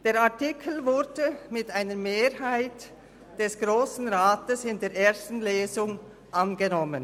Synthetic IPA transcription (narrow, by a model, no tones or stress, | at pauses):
d̥eːʁaɐtɪkʰl̩vʊdəmɪtʔaɪnəmeːɹɦaɪt | d̥ɛsɡ̥ʁoːsn̩ʁaːtəsɪndeːɐʔeːɐstn̩leːzʊŋ | ʔanɡənɔmən